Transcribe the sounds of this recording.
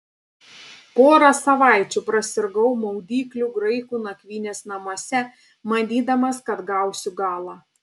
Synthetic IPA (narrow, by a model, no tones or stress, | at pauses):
poːɾɐsɐʋɑˑɪt͡ʃʲʊpɾɐsʲɪɾɡɐʊmɐʊd̪ʲiːklʲuˑɡɾɐɪkuːnɐkʲʋʲiːnʲeːsnɐmoɔsʲɛ | mɐd̪ʲiːd̪ɐmɐskɐt̪ɡɑˑʊsʲʊɡɑːlˠɑː